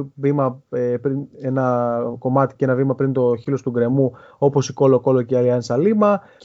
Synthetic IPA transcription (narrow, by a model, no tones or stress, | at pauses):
vimɐepɾine̞nɐko̞mɐt̪i̥cee̞nɐvimɐpɾint̪o̞çilo̞st̪uɡɾe̞mu | o̞po̞siko̞lo̞ko̞loceɐliɐnsɐlimɐ